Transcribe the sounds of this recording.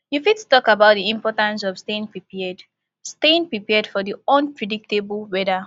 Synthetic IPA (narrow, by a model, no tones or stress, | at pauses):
jufid̚tu̥tɔkabaʊt̚dðiĩmpɔtãns̬ɔv̥stẽnpɹipɛd | stẽnpɹipɛdfɔðiɔ̃npʰɹɛdik̚tebl̩ˠwɛdə